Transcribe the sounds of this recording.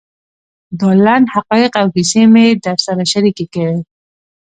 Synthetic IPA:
d̪ɑlanhaqɔjɪqawɦisemed̪aɾsaɾaʃaɾikekawe

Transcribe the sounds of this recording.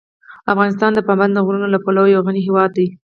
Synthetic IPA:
afɣɑnɪst̪ɑnd̪əpɑmband̪əɣɾunolapolawojawɣaniɦewɑd̪̚ːaj

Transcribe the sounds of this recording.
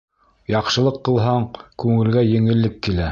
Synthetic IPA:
jɑqʃɤ̆lˠɤqːɤ̆lˠɦɑɴkʉŋɘ̆lɡæjɘ̆ŋɘ̆lːɘkːilæ

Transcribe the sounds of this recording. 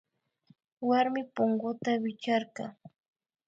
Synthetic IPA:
waɾmɪpʊŋɢʊt̪awɪt͡ʃɑɾɢɑ

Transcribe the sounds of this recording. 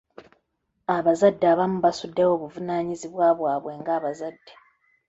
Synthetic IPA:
aβazadːaːβamuβasudːewo̞ːβuvunaːɲiziβwaːβwaːβwe̞ːŋɡaːβazadːe

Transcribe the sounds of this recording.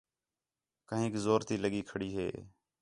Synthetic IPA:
kəɦẽːkzoːɾt̪iːləɠiːkʰəɽiːɦḛː

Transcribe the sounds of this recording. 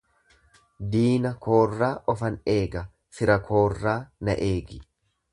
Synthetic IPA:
d̪iːnɐkʰo̞ːrːaːʔɔfɐne̞ːɡɐ | fɪɾɐkʰo̞ːrːaːnɐ̰ʔe̞ːɡɪ

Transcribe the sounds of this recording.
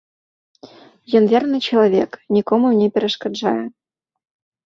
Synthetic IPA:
jɤ̆nvʲernɨt͡ɕelˠovʲeknʲikomunʲepʲeɾʲĕʂkɑd̪ʒɑjə̆

